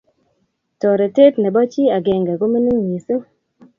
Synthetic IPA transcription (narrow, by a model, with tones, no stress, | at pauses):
tɔ˨ɾɛ˨te˦tnɛ˨bɔ˦t͡ʃi˦a˨ɡɛ˨ŋɡɛ˨ɡo˦mi˦ni˦ŋːi˨su˦